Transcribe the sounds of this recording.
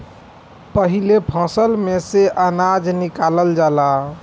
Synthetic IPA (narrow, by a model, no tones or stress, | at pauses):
pəɦilepʰɔ̃səlmeseʔanad͡ʒnikaləld͡ʒala